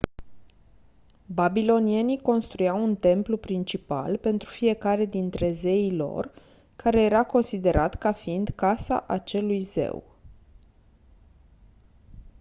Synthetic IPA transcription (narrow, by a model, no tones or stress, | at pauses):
babilo̞nie̞niko̞nst̪ɾujawunt̪e̞mplupɾint͡ʃipa̰lpe̞nt̪ɾufie̞kaɾe̞d̪int̪ɾe̞ze̞ilo̞̰r | kaɾe̞je̞ɾako̞nsid̪e̞ɾʔat̪kafiind̪kasa̰ʔat͡ʃe̞lujze̞̰w